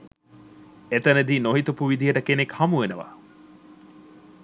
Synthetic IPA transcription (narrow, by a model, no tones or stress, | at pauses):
et̪ɐned̪iːnoɦit̪upuʋid̪ijəʈəkenekhɐmuʋenəʋa̰ː